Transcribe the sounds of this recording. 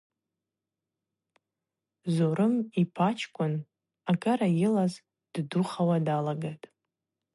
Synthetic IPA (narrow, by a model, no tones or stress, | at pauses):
zoɾɨmipʰat͡ʃʰkʷʼʊn | akʼaɾajɪlaz | d̥duχawadalaɡatʼ